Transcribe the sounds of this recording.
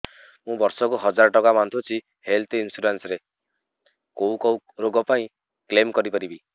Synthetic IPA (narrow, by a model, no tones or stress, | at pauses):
mũbɔɾsɔkuɦɔd͡ʒaɾɔʈɔkamant̪ʰut͡ʃʰi | helt̪ʰinsuɾansɾe | kowkɔw | ɾoɡɔpaĩ | klemkɔɾipɔɾibi